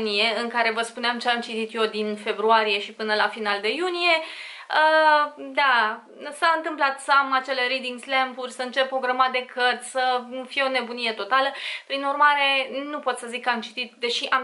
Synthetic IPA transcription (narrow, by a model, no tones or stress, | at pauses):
nije̞ɨŋkaɾe̞vəspuneamt͡ʃeamt͡ʃit̪it̪jo̞d̪infe̞bɾuaɾije̞ʃipɨnəlafinald̪e̞junije̞əd̪a | saɨnt̪ɨmplat̪səamat͡ʃe̞le̞ɾid̪iŋɡslempuɾʲsəɨnt͡ʃepːoɡɾamad̪e̞kərt̪sʲsəfijeo̞ne̞bunije̞t̪o̞t̪aləpɾinurmaɾe̞nupo̞t̪səzikːəamt͡ʃi̥t̪it̪̚d̪e̞ʃiʔam